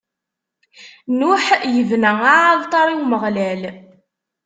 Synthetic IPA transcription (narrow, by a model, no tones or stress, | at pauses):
nʊħjəvnæaaðˤt̪ˤɑɾˤiwməʁlæl